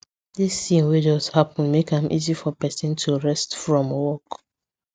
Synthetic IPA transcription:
disːĩnwed͡ʒɔzhapɔ̃nmekãmʔḭzifɔpɛsɔ̃ntʰuɹɛstfɹɔ̃mwɔk

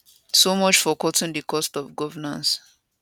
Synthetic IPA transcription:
somɔt͡ʃfɔkɔtĩŋdikʰɔstɔvɡɔvənã̰ns

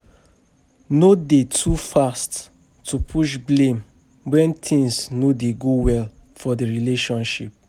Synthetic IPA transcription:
nodetʰufast | tːupʰuʃblẽm | wɛ̃ntʰĩŋsnudeɡowɛl | fɔdəɹileʃɔ̃nʃip̚

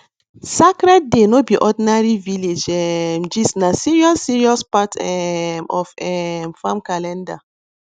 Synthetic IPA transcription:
sakɾɛd̚denobiʔɔdinaɹiviled͡ʒɛmd͡ʒisnasiɹiɔsiɹiɔspatɛmɔfɛmfamkalɛ̃nda

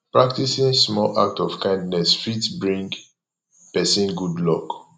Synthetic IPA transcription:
pɹak̚tisĩnsmɔla̰k̚tɔfkãj̃ndnɛsfitbɹĩŋɡ | pɛsĩnɡudlɔk

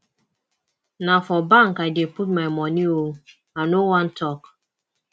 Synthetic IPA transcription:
nafɔbaŋkadeput̚majmɔnio | anowan̩tɔk

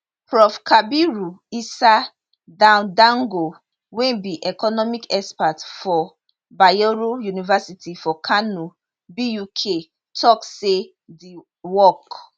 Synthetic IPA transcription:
pɹɔfkʰabiɹuisa | dãʊ̃ndãŋɡo | wɛ̃nbiʔɛkɔnɔmikɛspatfɔ | bajoɹojunivasitʰifɔkʰanu | bijukʰe | tʰɔkse | di | wɔk

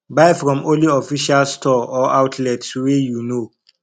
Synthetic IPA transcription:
baɪfɹɔ̃mõliɔfiʃalstʰɔɔaʊtʰlɛtswɛjuno

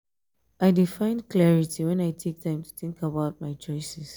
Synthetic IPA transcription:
ʔaɪdifãɪ̃nklɛɹitʰiwɛ̃naɪtʰek̚tʰãɪ̃mtʰu̥θɪ̃ŋkabaʊt̚maɪt͡ʃɔɪsɛs

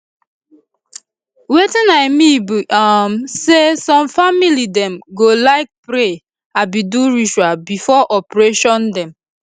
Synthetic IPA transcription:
wetĩnaɪmibiʔamsesɔ̃mfamilidɛ̃mɡolaɪk̚pɾe | abiduɹiʃwabifɔʔɔpɹeʃɔ̃ndɛ̃m

